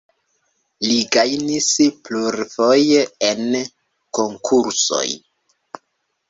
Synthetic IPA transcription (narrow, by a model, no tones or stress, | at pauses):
liɡajnispluɾfo̞jeen | ko̞ŋkʰuɾso̞̰j